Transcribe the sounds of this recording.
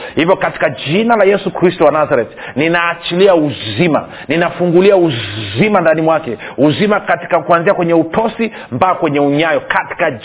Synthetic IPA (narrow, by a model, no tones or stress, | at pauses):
hivjɔkati̥kad͡ʒinalajɛsukɾistɔwanazaɾɛtninaːt͡ʃiliauzima̰ | ninafuŋɡuliauzimandanimwakɛuzimakati̥kakuanziakwɛɲɛutɔsi | mbakwɛɲɛuɲajɔkati̥ka